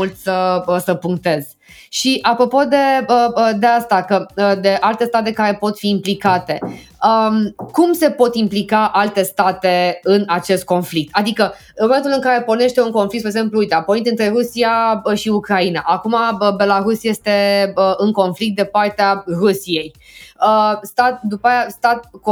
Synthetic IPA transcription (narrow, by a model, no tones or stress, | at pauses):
ult̪səəsəpuŋk̚t̪e̞z̥ | ʃiʔapɾo̞po̞d̪eəəd̪east̪akəd̪e̞ʔalt̪e̞st̪at̪e̞kaɾe̞po̞t̪fiːmplikat̪e̞ | əmkumse̞po̞t̪implikaʔalt̪e̞st̪at̪e̞ɨnat͡ʃe̞st̪̚ko̞nflik̚t̪ad̪ikə | ɨnmoment̪ulɨŋkaɾe̞po̞rne̞ʃt̪e̞uŋkonflik̚t̪peɡzempluujt̪apoɾint̪ʲɨnt̪ɾe̞ɾusiaəʃiukɾainaʔakumaəbe̞laɾusje̞st̪e̞əɨŋko̞nflik̚t̪̚d̪e̞part̪earusije̞j | əst̪at̪̚d̪upaajast̪at̪̚k